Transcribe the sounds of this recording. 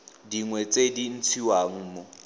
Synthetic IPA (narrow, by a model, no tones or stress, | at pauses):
diŋwɛt͡sʼedin̩t͡sʰiwaŋ̩ːmʊ